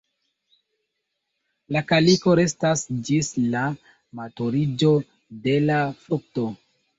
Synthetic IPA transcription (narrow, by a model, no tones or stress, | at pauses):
lakaliko̞ɾe̞stasd͡ʒisla | matoɾid͡ʒo̞ | de̞lafɾuk̚to̞